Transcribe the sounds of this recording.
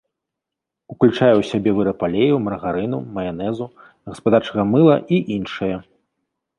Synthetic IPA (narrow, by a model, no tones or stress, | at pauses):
uklʲut͡ʂajɛwsʲabʲɛvɨɾɐpalʲejumɐɾɣaɾɨnumɐjanɛzu | ɣɐspad̪art͡ʂɐɣɐmɨlˠɐʔiʔinʂɨjɐ